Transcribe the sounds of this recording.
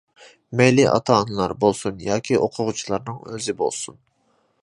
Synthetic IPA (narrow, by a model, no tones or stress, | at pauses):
mɛjliʔɑ̰t̪ʰɑːnɨlˠɑɾbolˠsunjɑːkʲʰioqʰʊʁʊt͡ʃʰulˠɑɾnɨŋøzɪbo̰lˠsun